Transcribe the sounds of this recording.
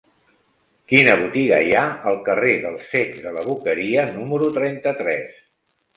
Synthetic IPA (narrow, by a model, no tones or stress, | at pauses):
kinəβut̪iɣə̰jaəlˠkəreðəlˠsekðələβ̞ukəɾiənuməɾut̪ɾɛnt̪ət̪ɾɛs